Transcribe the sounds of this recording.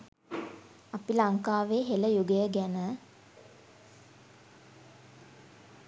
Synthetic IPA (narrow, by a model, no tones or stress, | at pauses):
apilaŋkaːʋeːɦeləjuɡəjəɡænə